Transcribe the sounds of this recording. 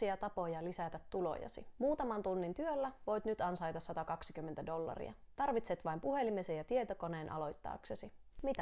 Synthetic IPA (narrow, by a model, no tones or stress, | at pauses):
iɑt̪ɑpo̞jɑlisæt̪æt̪ːulo̞̰jɑ̰sḭmuːt̪ɑmɑnt̪unːint̪yølːæʋo̞jt̪nyt̪ɑnsɑjt̪ɑsːɑt̪ɑkɑksi̥kymːent̪ædo̞lːɑ̰rḭɑ̰ | t̪ɑrʋit̪set̪ʋɑijmpuhe̞limesejɑt̪ie̞t̪oko̞neːnʔɑ̰lo̞jt̪ːɑ̰ːksesi | mit̪æ